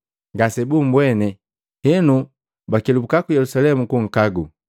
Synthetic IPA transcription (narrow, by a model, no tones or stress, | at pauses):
ŋɡasɛbum̩bwɛnɛ | hɛnu | bakɛlubukakujɛlusalɛmukuŋ̩kaɡu